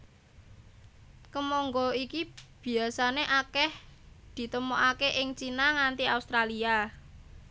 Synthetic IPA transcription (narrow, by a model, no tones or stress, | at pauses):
kəmɔŋɡɔikib̥i̤asaneʔakɛhd̪̥i̤t̪əmoʔakeʔɪŋt͡ʃinaŋant̪iaust̪ɾalia